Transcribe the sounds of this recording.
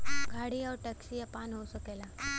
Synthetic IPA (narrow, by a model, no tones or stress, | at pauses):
ɡʱaɽiːɔɾʈəksijapanɦosəkela